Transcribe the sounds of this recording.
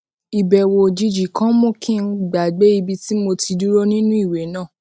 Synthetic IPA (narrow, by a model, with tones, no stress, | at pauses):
i˨bɛ˨wo˧d͡ʒi˧d͡ʒi˨kã˦mõ˦˨kʰĩ˦˨n̩˦ɡ͡ba˨ɡ͡be˨˦i˧bi˧ti˦mo˧ti˧du˦ɾo˦nĩ˦nũ˦i˦˨we˨˦nãː˦˨